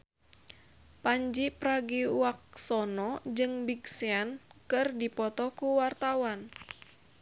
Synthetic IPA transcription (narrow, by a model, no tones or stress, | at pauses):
paɲd͡ʒipɾaɡiwak̚sɔnɔd͡ʒɨŋbiɡsiankɨrdipɔt̪ɔkuwart̪awan